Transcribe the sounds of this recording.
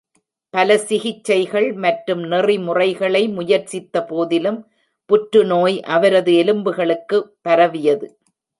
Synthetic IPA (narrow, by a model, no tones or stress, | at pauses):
pɐlɐsɪɣɪt͡ʃːɐɪɣɐɭmɐʈɾɯmnɪrimʊrɐɪɣɐɭɐɪmʊjɐɾt͡ʃɪt̪ːɐpoːðɪlɯm | pʊʈɾɯnoːjʔɐʋɐɾɐðɯɛlɯmbɯɣɐɭɯkːɯpːɐɾɐʋɪjɐðɯ